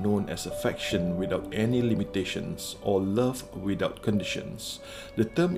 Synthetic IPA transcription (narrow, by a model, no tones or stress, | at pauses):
nõnɛ̰səfɛkʃə̃nwidaʊtɛnilimiteʃə̰̃nsʔɔləvwidaʊt̚kʰɔ̃ndiʃə̰̃ns | dətə̃m